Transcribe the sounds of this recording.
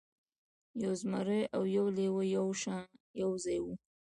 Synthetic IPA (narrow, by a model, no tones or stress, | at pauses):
jawzmaɾeawjawlewəjawʃajawzajwu